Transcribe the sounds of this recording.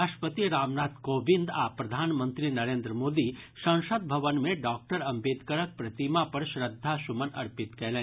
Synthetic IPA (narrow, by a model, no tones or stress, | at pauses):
aʃʈpət̪iɾaːmnaːt̪koːbind̪aːpɾɐd̪ʱaːnmə̃nt̪ɾinɐɾẽːnd̪ɾəmoːd̪iʃɐ̃ŋʃəd̪̚bʱɐʋənmẽɖaːk̚ʈəɾɐmbeːd̪kəɾək̚pɾɐt̪imapɐɾʃɾəd̪ʱːaʃʊmənɐ̰ɾpɪt̪kɛːlẽː